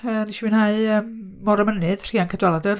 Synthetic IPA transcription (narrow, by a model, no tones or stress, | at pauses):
əniʃivɨnhaɨəmː | ɔɾəmənɨð̥r̥iːankʰədwɛlˠadər